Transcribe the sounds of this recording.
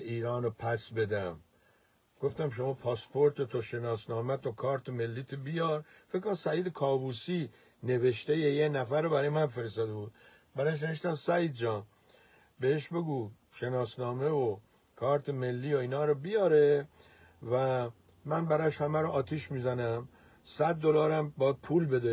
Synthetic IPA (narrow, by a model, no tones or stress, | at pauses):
iːɾɒːnopʰæsbe̞d̪æm | ɡ̥o̞ft̪æmʃ̬omɒːpʰɒːspʰoɾt̪ʰet̪ʰoʃe̞nɒːsnɒːmæt̪ʰokʰɒːɾt̪ʰeme̞lːiːt̪ʰobijɒɾ | fekkːoɾsæiːd̪ekʰɒːbuːsi | ne̞veʃt̪ejejenæfæɾːobæɾɒːjemænfe̞ɾest̪ɒːd̪ebuːd̪̥̚ | bæɾɒːʃ̬ne̞eʃt̪æmsæiːd̪d͡ʒɒːn | beheʃbe̞ɡuː | ʃe̞nɒːsnɒːme̞vo | kʰɒːɾt̪ʰeme̞lːiːoiːnɒːɾɔbijɒːɾe | væ | mænbæɾɒːeʃhæmæɾoʔɒːt̪ʰiʃmiːzænæm | sæd̪̚ːolɒːɾæmbɒːjæd̪̚pʰuːlbe̞d̪e